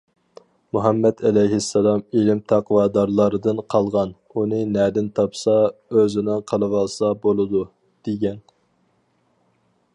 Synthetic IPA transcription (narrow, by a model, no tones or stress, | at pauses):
muɦɑmːɛt̪ʰɛlɛjɦɪsːɑlˠɑmilɪmt̪ʰɑqwɑːd̪ɑɾlˠɑɾɨd̪ɨnqʰɑlˠʁɑn | unɨnɛd̪ɪnt̪ʰɑpsɑøzɪnɨŋqʰəlˠɨwɑlˠsɑbolˠɨd̪u | d̪̥eɡʲɛn